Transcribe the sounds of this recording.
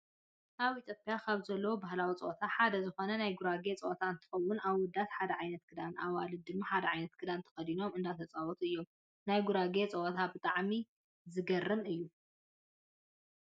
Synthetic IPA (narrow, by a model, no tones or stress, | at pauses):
ʔaβit̪ʰopʼjakʰaβzɐlːɐwobaɦlawit͡sʼɐ̰ʔot̪ʰaħad̪ɐzɨxo̞nɐnajɡuɾaɡe̞t͡sʼɐʔot̪ʰaɨnt̪ʰɨ̥xɐwːʊnaβwɔd̪ːat̪ħad̪ɐʕajnɐt̪̚kʰɨd̪anaβalɨd̪ɨmːaħad̪ɐʕajnɐt̪kʰɨd̪ant̪ʰɐ̥xɐd̪ino̞mɨnd̪at̪ʰɐt͡sʼawɔt̪ʰɨjːo̞m | najɡuɾaɡet͡sʼɐʔot̪ʰabɨt̪ʼaʕmi | zɨɡɐrːɨnɨjːu